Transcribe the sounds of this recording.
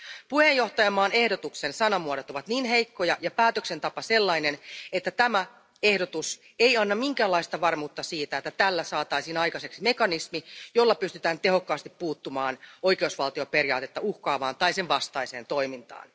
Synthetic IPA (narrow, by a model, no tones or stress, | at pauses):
puhejjo̞ht̪ɑjɑmɑːne̞hdo̞t̪uksensɑnɑmuoɾot̪o̞ʋɑt̪niːnɦe̞jkːo̞jɑjɑpæːt̪økse̞nt̪ɑpɑse̞lːɑinenet̪ːæt̪æmæ | e̞hdo̞t̪us | e̞jɑnːɑmiŋkæːlːɑist̪ɑʋɑrmuːt̪ːɑsiːt̪æet̪ːæt̪ælːæsɑːt̪ɑisiːnɑjkɑse̞ksime̞kɑnismijo̞lːɑpyst̪yt̪æːnt̪e̞ɦo̞kːɑːst̪ippuːt̪ːumɑːno̞jk̟eusʋɑlt̪io̞pe̞rjɑ̰ːt̪e̞t̪ːɑuhkɑːʋɑːnt̪ɑiseʋʋɑst̪ɑise̞ːnt̪o̞imint̪ɑ̰ːn